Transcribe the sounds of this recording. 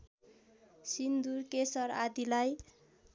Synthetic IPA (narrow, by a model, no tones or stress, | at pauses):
sind̪urkesʌrad̪ilaj